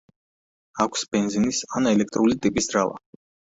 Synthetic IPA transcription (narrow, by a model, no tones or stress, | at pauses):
akʷʰsbɛnd̪zinisanɛlɛk̚ʰt̪ʼɾulit̪ʼipʼisd̪ɾalˠa̰